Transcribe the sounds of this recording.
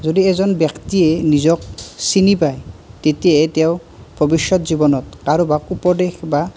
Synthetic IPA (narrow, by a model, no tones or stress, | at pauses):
zodiɛzɔnbjaktiɛnizɔk̚sinipajtetijateʊ | bʱɔbiʃːɔtzibɔnɔtkaɹobakupɔdexba